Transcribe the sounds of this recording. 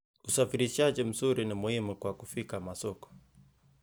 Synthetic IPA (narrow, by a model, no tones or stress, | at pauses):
usafiɾiʃaʄim̩zuɾinimuhimukwakufikamasɔkɔ̥